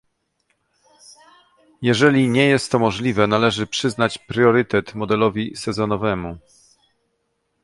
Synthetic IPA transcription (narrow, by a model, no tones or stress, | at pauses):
jɛʐɛlʲiɲɛjɛst̪ːɔmɔʐlʲivɛnalɛʐɘpʂɘznat͡ɕpɾʲjɔɾɘt̪ɛt̪mɔd̪ɛlɔvʲisɛzɔnɔvɛmu